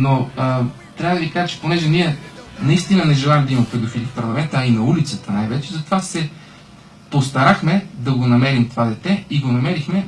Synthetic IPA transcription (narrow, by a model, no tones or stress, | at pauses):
noə | t̪ɾʲavəd̪ɐvikaʒət͡ʃɛ̥ponɛʒɛniɛnɐist̪inənɛʒɛlˠalʲid̪ɐimɐpɛd̪ofilʲifpɐɾlˠɐmɛnt̪əːinɐulit̪sət̪ənajvɛt͡ʃɛzɐt̪ovasɛ | post̪ɐɾaxmɛd̪ɐɡonɐmɛɾimt̪ovad̪ɛt̪ɛiɡonɐmɛɾixmɛ